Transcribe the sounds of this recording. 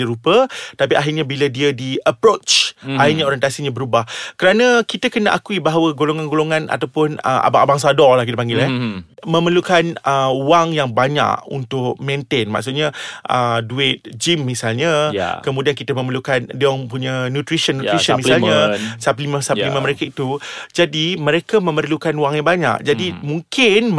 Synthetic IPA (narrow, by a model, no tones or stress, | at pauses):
iɾupət̪apiaɦirɲabilədiədiəpɾot͡ʃaɦirɲãoɾjənt̪asiɲãbəɾubahkəɾanãkit̪əkənaʔakuibaɦawəɡoloŋanɡoloŋãna̰t̪awpʊnə̰ʔa̰baʔabaŋs̬adɔlahk̬it̪əpaŋɡɪlɛmə̃məlukanəuwaŋjaŋbaɲa̰kṵnt̪ʊk̚mẽnt̪enma̰ʔks̬ʊt̪̚ɲaʔəduɪt̪̚d͡ʒimːisalɲaj̰kəmũdiankit̪əmə̃məlukandiɔŋpuɲanut̪ɾisənːuɾisəmisalɲasaplimə̃salimãməɾekait̪ud͡ʒadimə̃ɾekamə̃mərlukanuwaŋjaŋbaɲa̰ʔd͡ʒadimũŋkɪn